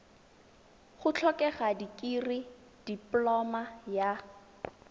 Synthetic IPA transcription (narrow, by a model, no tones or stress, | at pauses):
χʊt͡ɬʰɔkʼɛχadikʼiri | d̥iplɔmaja